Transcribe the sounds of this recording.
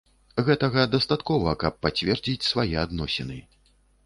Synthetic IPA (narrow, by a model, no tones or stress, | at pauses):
ɣɛt̪ɐɣɐd̪ɐst̪at̪kɔvɐkɐpːat͡sʲvʲɛrd͡zʲit͡sʲsvajɛad̪nɔsʲɛnɨ